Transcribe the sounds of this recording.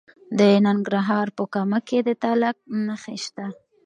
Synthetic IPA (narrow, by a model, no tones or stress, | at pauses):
d̪ənanɡɾaɦɑɾpəkamaked̪ət̪alak̚nəxeʃt̪a